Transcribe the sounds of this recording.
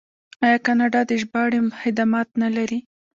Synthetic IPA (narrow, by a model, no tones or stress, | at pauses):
ɑjɑkɑnɑɖɑd̪eʒbɑɽemxɪd̪ɑmɑt̪nalaɾi